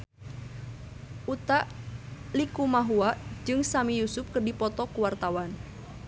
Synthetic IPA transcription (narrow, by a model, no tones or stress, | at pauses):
ʔut̪aʔlikumaɦuaʔd͡ʒɨŋsamijusʊp̚kərdipɔt̪ɔkuwart̪awan